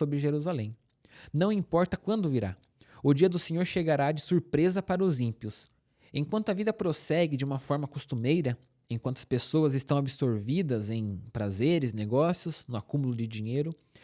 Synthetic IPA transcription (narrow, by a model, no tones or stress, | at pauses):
obɾɪʒeɾuzalẽj̃ | nɐ̃w̃ĩpɔɾt̪ɐkwɐ̃nd̪ʊviɾa̰ | ʊd͡ʒiɐd̪ʊsẽɲoɾʃeɡaɾad͡ʒɪsuɾpɾezɐpaɾɐʊzĩpiʊs | ḛ̃kwɐ̃nt̪ʊɐvid̪ɐpɾosɛɡɪd͡ʒɪũmɐfɔɾmɐkust̪umejɾɐ | ẽkwɐ̃nt̪ʊɐspesowɐzɪst̪ɐ̃w̃abɪsoɾvid̪ɐzẽj̃pɾazeɾɪzneɡɔsjʊsnʊakũmʊlʊd͡ʒɪd͡ʒĩɲejɾʊ